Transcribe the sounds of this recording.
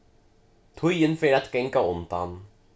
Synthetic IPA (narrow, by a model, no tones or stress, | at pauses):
t̪ʰɵjənfeːɾat̪kɛŋkaʊnd̪a̰n